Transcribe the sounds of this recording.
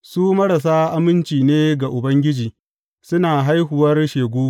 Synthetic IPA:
suː˦mɐ˦ɽa˨s̬aː˦ʔa˦mɪ˦nt͡ʃiː˨neː˦ɡa˨ʔʊ˨bɐ˦ŋɡʲɪ˦d͡ʒiː˨ | sʊ˦naː˨ɦa˦jɦʊ˨wɐ˦rʃeː˨ɡʷoː˦

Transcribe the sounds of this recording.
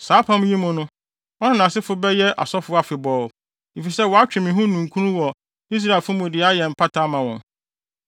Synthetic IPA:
saː˨˦pʰã˦m˦jĩ˦mʊ̃˨nʊ̃˦ | ɔ˦nã˦˨nã˨sɪ˦fʊ˦bɛ˦jɛ˦ʔa̰˨sɔ˦fʊ˦a˨fɪ˨bɔː˦˨ | e˨fi˨sɛ˦˨wɔ˨a˦t͡ɕᶣɪ̃˨mɪ̃˨ɦũ˦nũ˨ŋ˨kʰũ˦nũ˦wɔ˨ | i˦s̬ɾa˨fʊ˦mʊ̃˨dɪ˨a˦jɛ˨m̩˨pʰa˦tʰa˦mã˨wɔ̃˨n

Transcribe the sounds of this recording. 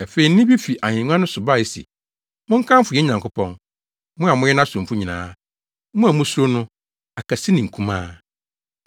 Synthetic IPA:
ɛ˨fe˨i˨˦ɪ̃˦bi˦fi˨ʔa˨ɲɪ̃˨ŋ˦ã˦nʊ̃˦sʊ˨ba˦˨ɛ˨sḭ˨ | mʊ̃˦ŋ̩˦kʰã˦m˦fʊ˨jɛ˦ɲã˨ŋkʰʊ˦pʰɔ̰̃˦n | mʊ̃˦a˨mʊ̃˦jɛ˦nã˦sʊ̃˨m˨fʊ˦ɲĩ˨nã̰ː˦ | mʊ̃˦a˨mʊ̃˦sɾo˦nʊ̃˦ | a˨kʰa˨sɪ˦nɪ̃˨ŋ̩˨kʰũ˦mãː˦

